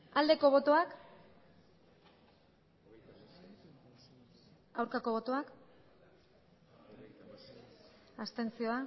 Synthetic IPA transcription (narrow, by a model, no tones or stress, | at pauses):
ald̪e̞ko̞β̞o̞t̪o̞ak | awɾkako̞β̞o̞t̪o̞ak | ast̪e̞nsio̞a